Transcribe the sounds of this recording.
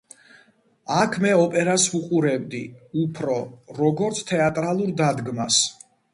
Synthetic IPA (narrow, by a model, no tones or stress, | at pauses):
akʰmɛɔpʼɛɾasuqʼuɾɛbd̪iupʰɾɔɾɔɡɔɾt̪sʰt̪ʰɛat̪ʼɾalˠuɾd̪ad̪ɡmas